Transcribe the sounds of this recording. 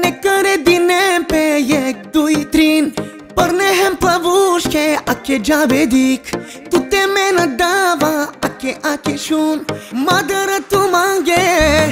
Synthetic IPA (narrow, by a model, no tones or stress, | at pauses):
nekɐɾed̪inepejek̚d̪uit̪ɾiːn | pɐɾneɦɛ̃mpɾɐʋuʃkeɐked͡ʒaːʋed̪ikʰ | t̪ut̪emenɐ̃d̪aʋaɐkeʔakeʃunmad̪ɐɾɐt̪umãŋɡe